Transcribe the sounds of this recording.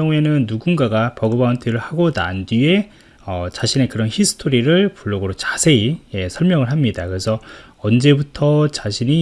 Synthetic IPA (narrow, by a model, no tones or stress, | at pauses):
ʌŋue̞nɯnːuɡunɡaɡapʌɡɯbauntʰeɾɯɭhaɡona̰ndie̞ | ʌt͡ɕaɕʰine̞kɯɾʌnçisʰɯ̥tʰoɾiɾɯɭpuɭːoɡɯɾot͡ɕasʰe̞ije̞sʰʌɭmjʌŋɯɭɦamɲidakɯɾe̞sʰʌ | ʌnd͡ʑe̞butʰʌt͡ɕaɕʰiɲi